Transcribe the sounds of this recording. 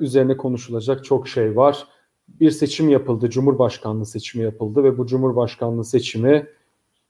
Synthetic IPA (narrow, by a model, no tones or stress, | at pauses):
yze̞ɾinɛkʰo̞nuʃulˠad͡ʒak̚t͡ʃʰo̞kʃe̞jvaɾ̥ | biɾse̞t͡ʃʰimjapɯlˠd̪ɯd͡ʒumhuɾbaʃkʰanlˠɯːse̞t͡ʃʰimijapʰɯlˠd̪ɯvɛbud͡ʒumhuɾbaʃkʰanlˠɯːse̞t͡ʃʰimi